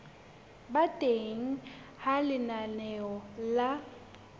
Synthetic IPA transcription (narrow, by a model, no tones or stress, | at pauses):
batʼeŋ̩ | halɪnanɛɔla